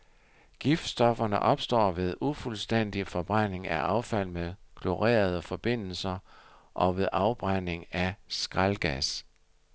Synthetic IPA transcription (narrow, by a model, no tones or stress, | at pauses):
ɡ̥ifd̥sd̥ɒ̽fɐnəʔɒ̽b̥sd̥ɒ̰ːʋe̝ð̞ˠufulsd̥en̰d̥ifɒ̽b̥ʁan̰e̝ŋæʔɑ̈ʊfæl̰meðˠkʰlo̝ʁḛːɐð̞ˠəfɒ̽b̥e̝n̰l̩sɐʔɒ̽ʋe̝ðˠʔɑ̈ʊb̥ʁan̰e̝ŋæsɡ̥ʁalɡ̥æs